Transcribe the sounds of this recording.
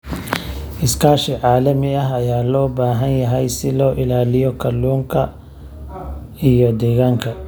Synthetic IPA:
ʔɪskʰaːʃɪʕaːlɐmɪɐɦɐjaːlɔːbaːɦɐnjɐɦɛjsɪlɔːʔɪlaːlɪjɔkʰɐluːŋkʰɐ | ijɔd̪ɛːɣaːŋkʰɐ

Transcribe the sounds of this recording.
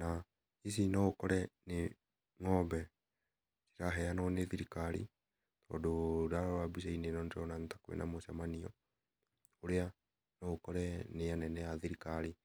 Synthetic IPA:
na | isinɔokɔɾɛne | ŋɔbɛ | si̥ɾaɦɛanɔneðiɾikaɾḭ | tɔdoɾaɾɔabiʃ̬ainenɔndɔnantakwḛnʔa̰mosamaniɔ | oɾea | nɔokɔɾɛnejanɛnɛjaðiɾikaɾi

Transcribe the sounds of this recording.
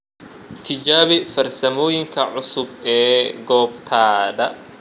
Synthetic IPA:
t̪ʰɪd͡ʒaːβɪfɐrsɐmɔːjɪŋkʰɐʕʊsʊbɛːɡɔːb̚t̪ʰaːdɐ

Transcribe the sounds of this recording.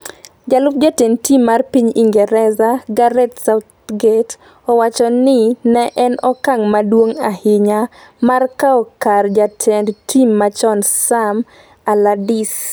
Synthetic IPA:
d͡ʒalʊp̚d͡ʒatentimːarpiɲiŋɡɛɾɛzaɡaɾɛtsaʊt̪ | ɡet | ɔwat͡ʃɔnɪnɛʔɛnɔkaŋmadwoŋahɪɲamarkaɔkard͡ʒatʰendtʰimːat͡ʃɔnsam | aladis

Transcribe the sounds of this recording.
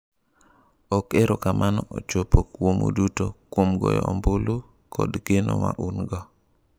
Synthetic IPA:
ɔkeɾokamʔanɔʔot͡ʃopokwomo̰dutokwomɡɔ̰jɔɔmbolo | kʰɔdɡ̥eno̰ma̰ʔunɡɔ

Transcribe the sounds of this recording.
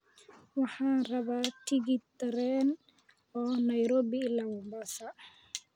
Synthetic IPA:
wɑħaːrɐβaːt̪ʰiɡit̪ɛɾɛn | ɔːnɐjɾɔːbɪːlawɔmbasɐ

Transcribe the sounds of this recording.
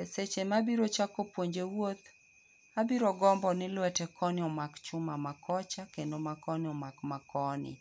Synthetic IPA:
eset͡ʃemabiɾot͡ʃakopwoɲd͡ʒewot̪ | abiɾɔɡɔmbɔnɪlwɛtɛkɔnɪɔmakt͡ʃʊmamakʰɔt͡ʃakendomakɔnɪɔmakmakɔnɪ̰

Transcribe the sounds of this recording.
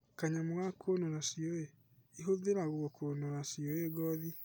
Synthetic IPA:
kaɲamwɣakʰonoɾasioe | iɦoðeɾaɣwɔkʰonoɾasiɔeɡɔði

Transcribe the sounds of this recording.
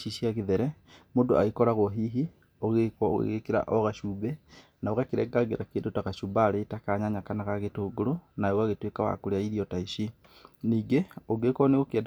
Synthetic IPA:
iʃiaɣeðɛɾɛ | moːndoaɣekɔɾaɣwɔɦiɦi | oɣekɔ̰ɣḛɣekeɾa̰ʔɔɣaʃuːbɛ | naoɣakeɾɛ̰ɡaɡeɾakeːndotaɣaʃubaːɾeːtakaɲaɲakanaɣaɣetoːɡoɾonaoɣaɣetwekawa̰koɾeaiɾiɔtaiʃi | niːɡeoɡekwɔneɣokeɛd

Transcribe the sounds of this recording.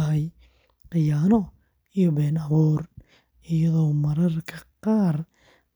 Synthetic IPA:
ɦɛj | qɪjaːnɔ | ijɔbɛːnɐβuːr | ɪjɐðɔmɐɾɐrkʰɐqɑːr

